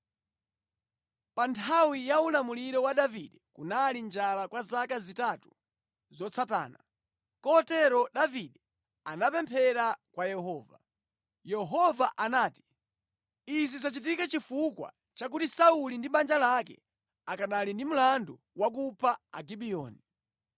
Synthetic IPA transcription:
pantʰawijaulamuliɾɔwaɗaviɗɛkunalind͡ʒalakwazakazitatu | zɔt͡sʰata̰ːna | kɔtɛɾɔɗaviɗɛ | anapɛmpʰɛɾakwajɛɦɔːva̰ | jɛɦɔvaʔanaːti̥ | izisat͡ʃit̬ikat͡ʃifukwa̰ | t͡ʃak̬utisaulindimand͡ʒalakɛ̰ | akanalindim̩landu | wak̬upʰaa̰ɡiɓijɔ̰ːni

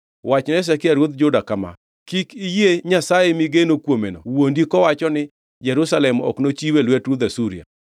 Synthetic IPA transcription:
wat͡ʃnɛs̬ɛkɪaɾwot̪d͡ʒʊdakama̰ | kikijeɲasajemɪɡenokwomenowondikɔwat͡ʃɔnɪ | d͡ʒɛɾusalɛmɔ̰knot͡ʃiwelwɛtɾud̪asuɾia̰

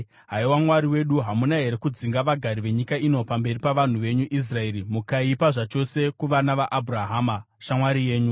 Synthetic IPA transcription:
ɦaiwamwaɾiwe̞ɗuɦamunaɦe̞ɾe̞kud͡ziŋɡaʋaɡʱaɾiʋe̞ɲikaino̞pambe̞ripaʋan̤uʋe̞ɲuʔis̬rae̞ɾimukaipaʐat͡ʃo̞se̞kuʋanaʋaʔabʱuraɦaːma | ʃamwaɾije̞ːɲu

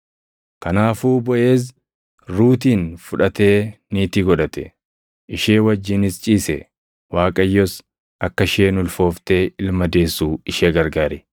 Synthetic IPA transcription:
kɐnaːfuːbɔʔe̞ːs̬ | ɾuːt̪iːnfʊᶑɐt̪e̞ːniːt̪ɪɡɔᶑɐt̪ɛ̥ | ʔɪʃeːwɐd͡ʒːɪnɪst͡ʃʼiːsɛ̰ | waːkʼɐjːɔs | ʔɐkːɐʃeːnʊlfo̞ːft̪eːɪlmɐd̪e̞ːsːuːɪʃeːɡɐɾɡaːɾɛ

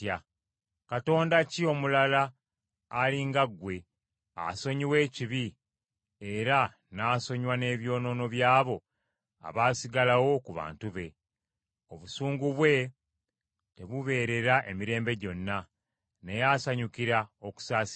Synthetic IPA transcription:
a | kato̞ːndacio̞mulalaː | liŋɡaɡwe̞ | a̰so̞ɲiwe̞ːciβi | eɾa | naːso̞ɲwane̞ːβjo̞ːno̞no̞βjaːβo̞ | a̰βaːsiɡalawo̞kuβa̰ːntuβe̞ | o̞βusuːŋɡuβwe̞ | te̞βuβe̞ːɾe̞ɾaʔe̞miɾe̞ːmbe̞ɟo̞nːa | ne̞jaːsaɲukiɾaoku̥saːs

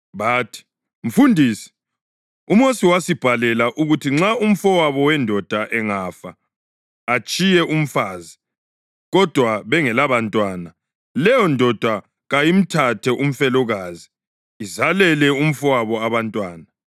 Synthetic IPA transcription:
βaːtʰi̥ | m̩fundʱiːsi̥ | umosiwasib̥ʱalɛlaʔuɣutʰiŋ͡ǁaum̩fɔwaβɔwɛndʱɔd̥ʱaʔɛŋaːfaː | t͡ʃʼijɛʔum̩faːzi | ɣɔd̥ʱwaβɛŋɛlaβantʼwaːna | lɛjɔndʱɔd̥ʱwa | ɣajim̩tʰatʰɛʔum̩fɛlɔɣaːziː | zalɛlɛum̩fɔwaβɔaβantʼwaːna

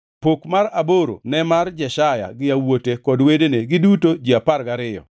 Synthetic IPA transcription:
pokmaɾaboɾo̰nɛmard͡ʒɛʃaja̰ɡɪawotekɔdwedeneɡɪdutod͡ʒiaparɡaɾɪjɔ̰

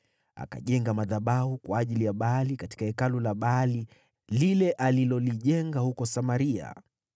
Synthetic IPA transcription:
a̰ka̰ʄɛŋɡamaðaɓahukwaːʄilijaɓaalikati̥kaɛkalulaɓaali | lilɛʔalilɔliʄɛŋɡahukɔsamaɾia̰

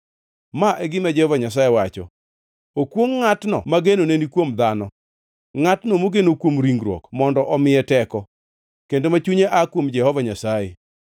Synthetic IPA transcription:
maʔɛɡɪmɛd͡ʒɛhɔvaɲas̬ajewat͡ʃɔ̰ | okwoŋːatnɔ̰maɡenonenikwomd̪anɔ | ŋatnomoɡenokwomɾiŋɡɾwɔ̰kmɔndɔʔɔmɪjɛtɛkɔ | kendomat͡ʃuɲeʔakwomd͡ʒɛhɔvaɲasaje

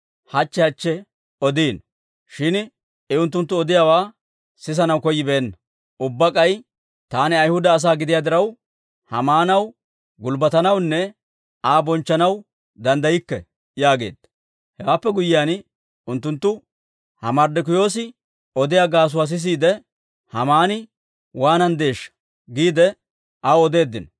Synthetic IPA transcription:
hɐt͡ʃːɛhɐt͡ʃːɛ | ɔd̪iːn | ʃɪn | ɛʊnt̪ːʊnt̪ːʊɔd̪ɪjaːwaː | sɪs̬ɐnɐwkɔjːɪbeːnːɐ | ʔʊbːɐkʼɐj | t̪aːnɪɐjhʊd̪ɐːs̬aːɡɪd̪ɪjaːd̪ɪɾɐw | hɐmaːnɐw | ɡʊlbɐt̪ɐnɐwnːɛ | aːbɔnt͡ʃːɐnɐw | d̪ɐnd̪ɐjɪkːɛ̰ | jaːɡe̞ːd̪̥ɐ | hɛwaːpːɛɡʊjɪjaːn | ʊnt̪ːʊnt̪ːʊ | hɐmɐɾd̪ɛk̬ʊjo̞ːs̬ɪ | ɔd̪ɪjaɡaːs̬ʊwas̬ɪs̬iːd̪ɛ | hɐmaːnɪ | waːnɐnd̪e̞ːʃːɐ̥ | ɡiːd̪ɛ | ʔɐwɔd̪e̞ːd̪ːɪn

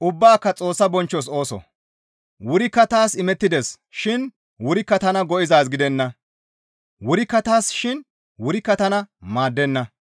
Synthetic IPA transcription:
ʔʊbːaːkːɐt͡sʼo̞ːsːɐbɔnt͡ʃːɔs̬o̞ːsɔ̰ | wʊɾɪkːɐt̪aːsɪmɛt̪ːɪd̪ɛs | ʃɪn | wʊɾɪkːɐt̪ɐnɐɡɔʔɪzaːsɡɪd̪ɛnːɐ | wʊɾɪkːɐt̪aːsʃɪn | wʊɾɪkːɐt̪ɐnɐmaːd̪ːɛnːɐ

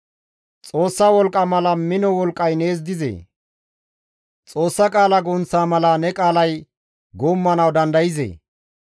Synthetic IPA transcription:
t͡sʼo̞ːsːɐwɔlkʼːɐmɐlɐmɪnɔwɔlkʼːɐjne̞ːz̬d̪ɪzḛː | t͡sʼo̞ːsːɐkʼaːlɐɡɔnt͡sːaːmɐlɐnɛkʼaːlɐj | ɡoːmːɐnɐwd̪ɐnd̪ɐjɪzḛː

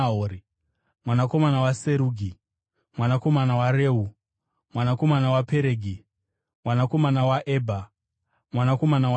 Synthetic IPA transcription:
oɾi | mwanako̞manawaseɾuːɡʱi | mwanako̞manawaɾeːɦu | mwanako̞manawapeɾeɡʱi | mwanako̞manawaʔeːbʱa | mwanako̞manaw

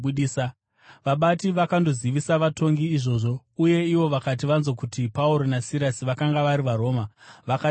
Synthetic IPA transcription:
uɗisa | ʋaɓatiʋakando̞ziʋisaʋato̞ŋɡiːʐo̞ːʐo̞ | uje̞iʋo̞ʋakat̬iʋanzo̞kutipauɾo̞nasiɾasiʋakaŋɡaʋaɾiʋaɾo̞ːmaʋaka

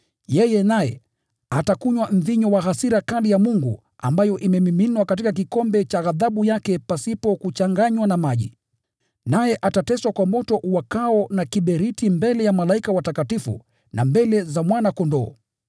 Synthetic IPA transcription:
jɛjɛnajɛ̰ | atakuɲwam̩ðiɲɔwaɦasiɾakalijamuŋɡṵ | a̰mbajɔʔimɛmiminwakat̬ikak̬ikɔmbɛt͡ʃaɣaðaɓujakɛpasipɔkut͡ʃaŋɡaɲwanamaʄḭ | najɛʔatatɛswakwamɔtɔʔuwakaɔnakiɓɛɾitimbɛlɛjamalaikawatakatifṵ | nambɛlɛzamwanakɔndɔː

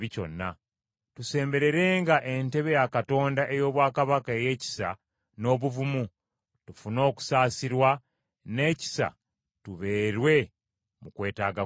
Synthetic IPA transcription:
βico̞̰nːa̰ | tuse̞ːmbe̞ɾe̞ɾe̞ːŋɡaʔe̞nte̞βe̞jakato̞ːndaʔe̞jo̞ːβwaːkaβakaeje̞ːci̥sa̰ | no̞ːβuvumu | tufuno̞ːku̥saːsiɾwa | ne̞ːci̥sa̰ | tuβe̞ːɾwe̞ | mukwe̞ːtaːɡa

